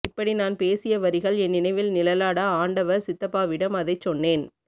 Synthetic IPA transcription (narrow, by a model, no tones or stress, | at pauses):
ɪpːɐɽinaːnpeːsɪjɐʋɐɾɪɣɐɭɛnːɪnɐɪʋɪlnɪlɐlaːɽaaːɳɖɐʋɐɾsɪt̪ːɐpːaːʋɪɽɐmɐðɐɪt͡ʃːɔnːeːn